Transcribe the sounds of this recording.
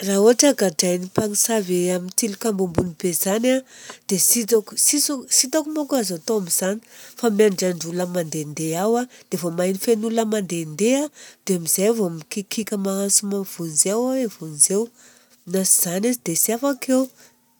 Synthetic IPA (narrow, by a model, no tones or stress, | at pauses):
rauaʈ͡ʂəɡaɖ͡ʐajnipaŋisaveamint̪ilikambumbunib̥ezanad̪̥esit̪aku̥sisit̪akumokazat̪oamiz̥ani̥famjaɳɖ͡ʐaɳɖ͡ʐuləmand̪end̪eawad̪̥evomajnifenuləmand̪end̪ead̪̥eamiz̥ajavoamikikikʲəmaɦansumav̥unzewaevunzew | nasiz̥anazid̪esiafakʰew